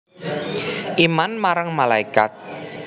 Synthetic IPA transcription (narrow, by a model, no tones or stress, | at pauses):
ʔimanmaɾaŋmalaikat̪̚